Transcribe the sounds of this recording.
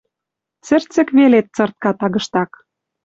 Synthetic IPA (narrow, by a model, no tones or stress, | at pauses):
t͡sɘ̆rt͡sɘ̆kβelet̪̚t͡sɤ̆rt̪̚kɑt̪ɑɣɤ̆ʃt̪ɑk